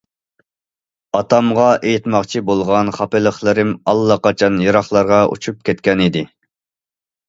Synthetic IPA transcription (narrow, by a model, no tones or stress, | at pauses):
ɑt̪ʰɑmʁɑʔejit̪mɑqt͡ʃʰibolˠʁɑnχɑpɪlˠəχlˠɨɾɪmɑlˠːɑqɑt͡ʃʰɑnjɑɾɑχlˠɑɾʁɑʔṵt͡ʃʰup̚kʲʰɛt̪̚kʲɛnid̪ɪ